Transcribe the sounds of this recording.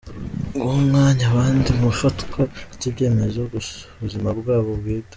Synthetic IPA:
ŋɡomŋaːɲaβaːndimuʃotkʰoɾɟibɟe̞ːme̞zoɡuuzimabɡaːβowiːda

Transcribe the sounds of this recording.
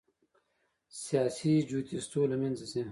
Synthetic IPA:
sijaːsid͡ʑuːt̪ist̪oːlɐmẽnzesẽ

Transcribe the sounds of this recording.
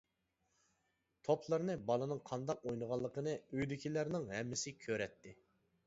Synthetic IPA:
t̪ʰopʰlˠəɾnɨbɑlˠɨnɨŋqʰɑnd̪ɑq̚ojnəʁɑlˠːəqənɨøjd̪ɪkʲʰilæɾnɪŋhɛmːɪsɪkʲʰøɾɛt̪ʰːɪ

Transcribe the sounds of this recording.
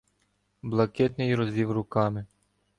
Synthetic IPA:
blˠɐkɛt̪nɪjɾɔzʋʲiwrʊkɑmɪ

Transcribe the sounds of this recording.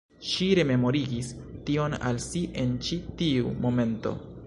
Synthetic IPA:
ʃiɾe̞me̞mo̞ɾiɡis | tio̞na̰lsiʔe̞nt͡ʃitiṵmo̞me̞nto̞̰

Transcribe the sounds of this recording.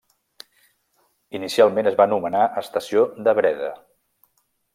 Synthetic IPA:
inisialˠmenəzβanumənaʔəst̪əsiod̪əβɾɛðə̰

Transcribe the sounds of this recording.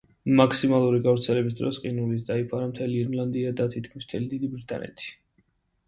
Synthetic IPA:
makʰsimalˠuɾiɡavɾt̪sʰɛlɛbis̬d̪ɾɔsqʼinulit̪ʰd̪aipʰaɾamt̪ʰɛliːɾnlˠand̪iad̪at̪ʰit̪̚kʰmist̪ʰɛlid̪id̪ibɾt̪ʰʼa̰nɛ̰t̪ʰi̥

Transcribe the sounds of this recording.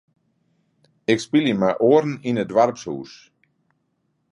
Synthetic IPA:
ɪkspiləmaʔoːəɾn̩inədwarpshṵːs

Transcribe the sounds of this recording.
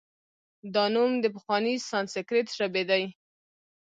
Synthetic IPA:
d̪ɑnumd̪əp̬əxwɑnisɑnsɪkɾet̪ʒabed̪aj

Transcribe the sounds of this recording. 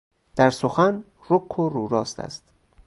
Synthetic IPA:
d̪̥æɾsoxæn | roqʰːoɾuːɾɒːst̪ʰæ̰st̪

